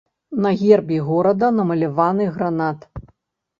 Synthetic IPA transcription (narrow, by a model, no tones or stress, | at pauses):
nɐɣʲɛrbʲiɣɔɾɐd̪ɐnɐmɐlʲavanɨɣɾanat̪